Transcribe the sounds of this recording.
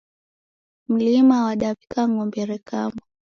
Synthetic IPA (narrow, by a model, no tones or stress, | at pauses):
m̩limawaɗapi̥kaŋɡɔmbɛɾɛkamɔ